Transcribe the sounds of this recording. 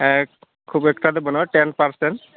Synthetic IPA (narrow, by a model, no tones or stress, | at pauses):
ɛk | kʰubekʈad̪ebɔnʈenpaɾsenʈ